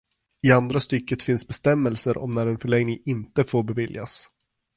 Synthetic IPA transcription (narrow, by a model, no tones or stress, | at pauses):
ɪand̪ɾast̪ʏkːət̪fɪnsbɛst̪ɛmːɛlsəɾʔɔ̰mnæɾɛnfœɭɛŋnɪŋɪnt̪əfoːɾbɛvɪlja̰s